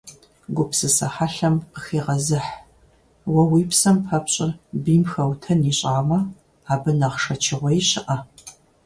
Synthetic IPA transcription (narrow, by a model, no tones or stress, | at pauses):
ɡʷʊpsɨsɐħaɬɐmqəxiːʁɐzɨħ | wɐwiːpsɐmpʰɐpɕʼɪrbiːmxɐwtʰɐniːɕʼaːmɐ | aːbɨnɐʁʂɐt͡ʃʰɪʁʷɔjɕɪʔɐ